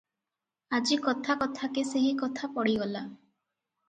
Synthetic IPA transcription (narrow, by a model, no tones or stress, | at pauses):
ad͡ʒikɔt̪ʰakɔt̪ʰakeseɦikɔt̪ʰapɔɽiɡɔla